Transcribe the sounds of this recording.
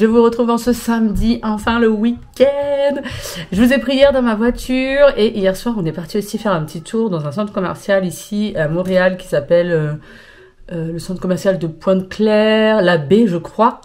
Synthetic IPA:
ʒəvuʁət̪χuvɑ̃səsamd̪iʔɑ̃fɛ̃ləwikʲɛ̃d̪ʒəvuzɛpχijɛʁd̪ɑ̃mavwat̪ʰyʁeʔijɛʁswaʁɔ̃nɛpaʁt̪iosifɛʁɛ̃pət̪ʰit̪ʰuʁd̪ɑ̃zɛ̃sɑ̃t̪χəkɔmɛ̰ʁsjalisiamɔ̃ʁealkʲi̥sapɛlø | øləsɑ̃t̪χkɔmɛʁsjald̪əpwɛ̃t̪klɛʁlabeʒəkχwa

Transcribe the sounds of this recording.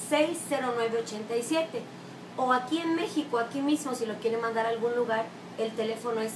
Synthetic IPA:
sejsːe̞ɾo̞nwe̞βe̞ot͡ʃe̞nt̪ajsje̞t̪e̞ | oakie̞nme̞xikoakimizmo̞silo̞kje̞ɾe̞mãnd̪aɾalɣunluɣaɾ | e̞lt̪e̞le̞fo̞no̞es

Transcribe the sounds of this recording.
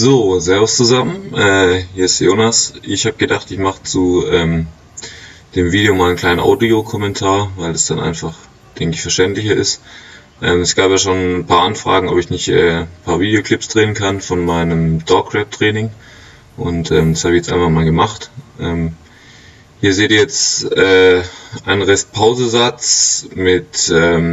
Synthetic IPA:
zoːzeːɐvost͡suzamənʔɛːhiːɐɪstjoːnasʔɪçhaːb̚əɡ̥ədaχtɪçmaχə̥t͡suːʔɛːm | d̥eːmviːdejoːmaːlənkʰl̥aɪnənʔa̰ʊdiokʰɔmɛntʰaːɐvaɪldasd̥anʔa̰ɪnfaχ | d̥ɛŋkɪçfɛɐʃtɛntlɪçɐʔɪst | ʔɛːmɛsɡ̥aːpjaːʃoːnnpʰaːɐʔanfʁ̥a̰ːɡŋ̩ʔɔpɪçnɪçtʔɛ̰ːpʰaːɐviːdejokl̥ɪpsd̥ʁeːənkʰanfɔnmaɪnəmd̥ɔkʁ̥ɛp̚tʁ̥ɛːnɪŋ | ʔʊntʔɛːmdashaːbɪçjɛt͡stʔaɪnfanmaːlɡəmaχtʔɛːm | hiːɐzeːdiːjɛt͡sʔɛːʔaɪnʁɛspʰaʊzəzat͡smɪtʔɛːm

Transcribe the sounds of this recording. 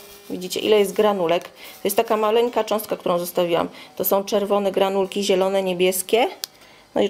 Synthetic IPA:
vʲid͡ʑit͡ɕɛ̰ʔḭlɛjɛst̪ɡɾanulɛkt̪ɔjɛst̪akamalɛŋkat͡ʂɔ̃w̃st̪kakt̪uɾɔ̃w̃zɔst̪avʲiwa̰mt̪ɔsɔ̃w̃t͡ʂɛɾvɔnɛɡɾanulkʲiʑɛlɔnɛɲebʲjɛskʲɛ | nɔ̰i

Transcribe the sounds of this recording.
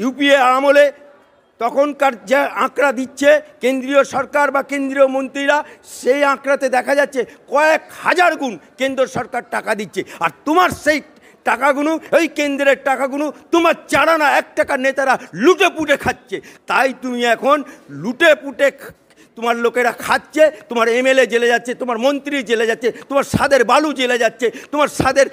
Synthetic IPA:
jupieamole | t̪ɔkʰonkaɾd͡ʑeãkɾad̪itːɕʰekend̪ɾioʃɔɾkaɾbakend̪ɾiomõnt̪ɾiɾaʃejãkɾat̪ed̪ɛkʰad͡ʑatːɕʰekɔekhad͡ʑaɾɡunkend̪ɾoɾʃɔɾkaɾʈakad̪itːɕʰeaɾt̪omaɾʃej | ʈakaɡunuejkend̪ɾeɾʈakaɡunut̪omaɾt͡ɕaɽanaɛk̚ʈakanet̪aɾaluʈepuʈekʰat̪̚ːt͡ɕʰet̪ajt̪umiɛkʰonluʈepuʈe | t̪omaɾlokeɾakʰatːt͡ɕʰet̪omaɾemeled͡ʑeled͡ʑatːɕʰet̪omaɾmont̪ɾiɾd͡ʑeled͡ʑatːɕʰet̪omaɾʃad̪eɾbalud͡ʑeled͡ʑatːɕʰet̪omaɾʃad̪eɾ

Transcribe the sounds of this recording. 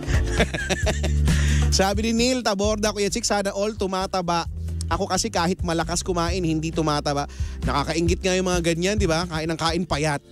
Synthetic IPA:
saːbɪnɪnilt̪ɐboɾd̪ɐkʊjɐt͡ʃɪk̚saːnɐʔolt̪ʊmaːt̪ɐbaʔʔɐko̞kɐsɛkaːhɪt̪̚mɐlɐkaskʊmaːʔɪnhɪnd̪it̪ʊmaːt̪ɐbaʔnɐkakɐʔɪŋɡɪt̪̚ŋajʊŋmɐŋaɡɐɲand̪ɪbakaːʔɪnɐŋkaːʔɪnpɐjat̪̚

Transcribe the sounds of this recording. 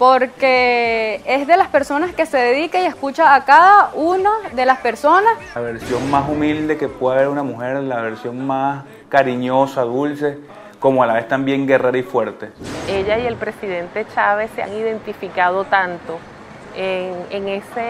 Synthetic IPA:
po̞ɾke | ezðe̞laspe̞ɾso̞naske̞se̞ðeðikaie̞skut͡ʃaːkaðaʔunaðe̞laspe̞ɾso̞naslaβe̞ɾsjo̞ŋmasumild̪e̞ke̞pweðaβe̞ɾunamuxe̞ɾlaβe̞ɾsjo̞ŋmas | kaɾiɲo̞saðulse̞ | ko̞moalaβe̞st̪ambje̞ŋɡe̞reɾaifwe̞ɾt̪e̞eʝaje̞lpɾe̞siðe̞nt̪e̞t͡ʃaβe̞sːea̰ŋiðe̞nt̪ifikað̞o̞t̪ant̪o̞ | eŋeŋese

